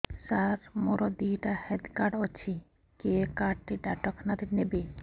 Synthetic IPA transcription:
saɾmoɾɔd̪iʈahɛd̪kaɖɔt͡ʃʰi | kekaʈʈiɖaʈɔkʰnad̪inebe

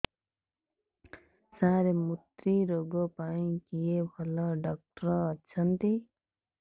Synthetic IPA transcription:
saɾemut̪ɾiɾoɡopaĩkijebʱʌlʌ̃ɖʌk̚ʈrʌːt͡sʰʌnt̪i

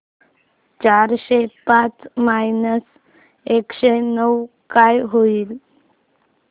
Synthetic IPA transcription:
t͡ɕaɾɕepat͡smajnəs | ekɕenəw | kajɦoiːl

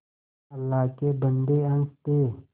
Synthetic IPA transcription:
əlːaːkebənd̪eə̃ŋst̪eː

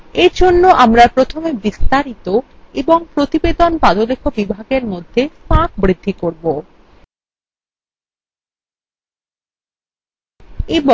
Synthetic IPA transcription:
eɾd͡ʑʱonːoʔamɾapɾot̪ʰomebist̪aɾit̪o | eboŋpɾot̪ibed̪onpad̪olekʰobibʱaɡeɾmod̪ʱːepãk̚bɾid̪ʱːikoɾbo | ebɔ

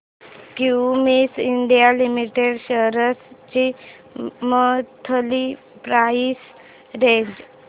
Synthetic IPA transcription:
kiwmisiɳɖijalimiʈeɽɕəɦɾəst͡ɕi | mət̪ʰəli | pɾais | ɾeɲd͡ʑ

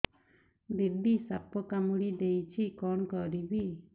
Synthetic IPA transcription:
bibisapɔkamuɽid̪ejt͡ʃʰikɔɳkɔɾibi

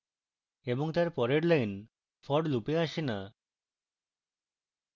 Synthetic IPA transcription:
ebɔŋt̪aɾpɔɾeɖlajn | fʰɔɖlupeaʃina

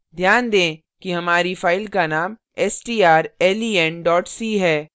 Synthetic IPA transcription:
d̪ʱjaːnd̪ẽː | kiɦɐmaːɾifaːɪlkanaːm | ɛsʈiːaːɾɛːliːɛnɖɔːʈsiːɦɛː

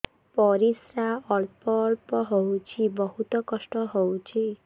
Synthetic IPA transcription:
pɔɾisɾaɔlpɔːɭpɔɦowt͡ʃʰibɔɦut̪ɔkɔsʈɔɦowt͡ʃʰi

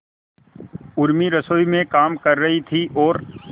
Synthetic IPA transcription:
ʊɾmiɾɐsoːimẽkaːmkɐɾːɐɦit̪ʰiʔɔːɾ

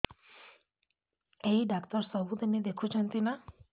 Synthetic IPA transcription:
eiɖakt̪ɔɾsɔbut̪ened̪ekʰut͡ʃʰant̪ina

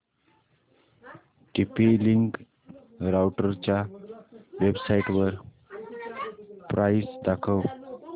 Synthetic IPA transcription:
ʈipiliŋk | ɾawʈəɾt͡ɕja | ʋebsaiʈʋəɾ | pɾaisd̪akʰəw

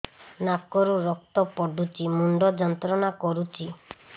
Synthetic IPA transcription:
nakɔɾuɾɔk̚t̪ɔpɔɖut͡ʃimuɳɖɔd͡ʒɔnt̪ɾɔnakɔɾut͡ʃi

